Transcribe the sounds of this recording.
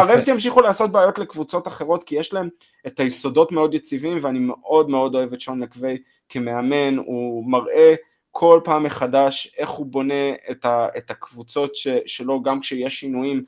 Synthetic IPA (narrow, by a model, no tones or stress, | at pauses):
aʁemzijamʃ̬iχuleːso̞t̚beajo̞tlekvut͡so̞taχeʁo̞t̪kijeʃlaem | et̪ajiso̞do̞tme̞o̞d̪jet͡sivimveanimeʔo̞dme̞o̞do̞e̞vetʃonlakve̞j | kemeame̞numaʁʔe̞ | kʰo̞lpaːmːeχadaʃe̞χhubo̞ne̞etaet̪akvut͡so̞tʃeʃe̞lo̞ɡamkʃejeʃinujim